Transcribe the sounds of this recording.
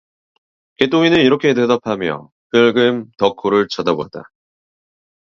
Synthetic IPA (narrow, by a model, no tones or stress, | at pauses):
ke̞t͈oŋinɯniɾʌkʰe̞dedapʰamjʌ̰ | kɯɭɡɯmtʌkʰoɾɯɭt͡ɕʌdaboat͈a̰